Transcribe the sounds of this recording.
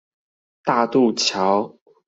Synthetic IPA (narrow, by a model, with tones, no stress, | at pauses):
t̪a˥˧t̪u˥˩t͡ɕʰjɑ˨˦ʊ